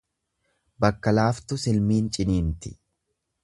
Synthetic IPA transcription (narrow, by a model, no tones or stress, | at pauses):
bɐkːɐlaːft̪ʊsɪlmiːnt͡ʃʼɪniːnt̪ɪ̥